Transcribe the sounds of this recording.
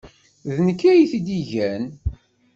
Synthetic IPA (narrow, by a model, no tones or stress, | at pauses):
ðnəkːæjiθid̪iʝæn